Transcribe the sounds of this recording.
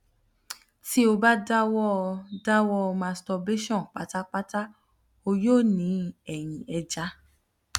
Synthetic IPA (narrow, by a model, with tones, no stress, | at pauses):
ti˦o˧ba˦da˦wɔ˦˧da˦wɔ˦˧mã˧stɔ˧be˦ʃɔ̃˦˨k͡pa˨˦ta˦k͡pa˦ta˦ | o˧jo˦˨nĩ˨˧˦ɛ˨j̃ĩ˨ɛ˧d͡ʒa˧˦